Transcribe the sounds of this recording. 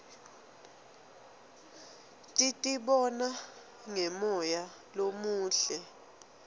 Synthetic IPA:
tʼitʼiɓɔna | ŋɛmɔja | lomuːɬɛ

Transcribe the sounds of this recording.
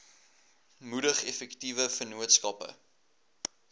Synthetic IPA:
mudəχɛfɛktivəfənuətskɐpə̰

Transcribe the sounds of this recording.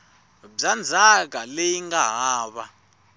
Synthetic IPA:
b͡ʐand͡zʱak̬alejiŋɡaɦaːɓa

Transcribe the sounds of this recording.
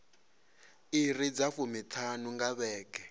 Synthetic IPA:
irid͡zafumitʰanuŋɡaβɛːkɛ

